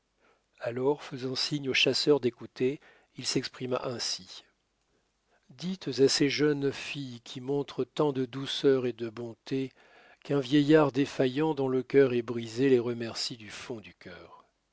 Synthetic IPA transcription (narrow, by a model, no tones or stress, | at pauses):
alɔʁfəzɑ̃siɲoʃasœʁd̪ekut̪e | ilsɛkspχima̰ʔɛ̃si | d̪it̪zaseʒœnfijkʲʰimɔ̃t̪χət̪ɑ̃d̪əd̪usœʁed̪əbɔ̃t̪e | kɛ̃vjɛjaʁd̪efajɑ̃d̪ɔ̃ləkʲœʁɛbʁizeleʁəmɛʁsid̪yfɔ̃d̪ykʲœːʁ